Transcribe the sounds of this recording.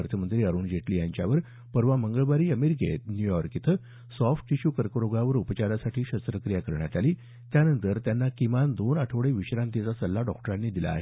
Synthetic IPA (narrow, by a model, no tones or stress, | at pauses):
əɾt̪ʰəmənt̪ɾiːəɾuːnd͡ʑeʈliːjaɲt͡ɕjaʋəɾ | pəɾʋaməŋɡəɭʋaɾiːəmeɾik̬ḛt̪njujɔɾkit̪ʰə | sɔfʈiɕuːkəɾkəɾoɡaʋəɾupət͡ɕaɾasaʈʰiːɕəst̪ɾəkɾijakəɾɳjat̪aliː | t̪janənt̪əɾt̪janːakimand̪onaʈʰəʋɭeʋiɕɾãnt̪it͡sasəlːaɖɔk̚ʈəɾanːiːd̪ila̰ːɦe